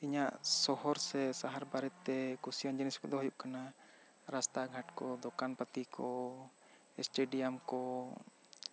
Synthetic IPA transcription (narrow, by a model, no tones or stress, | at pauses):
iɲaʔsɔɦɔɾsɛsaɦaɾbaɾɛt̪ːɛkusijɔnd͡ʒəniskɔ̰d̪ɔɦujuʔkana | ɾast̪aɡʱaʈkɔd̪ɔkanpət̪ikɔ | ɛ̰sʈeɖijamkɔ